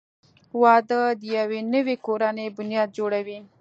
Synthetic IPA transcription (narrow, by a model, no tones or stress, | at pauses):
wɑd̪əd̪ijawenəwekoɾanebʊnjɑd̪̚d͡ʒoɽawi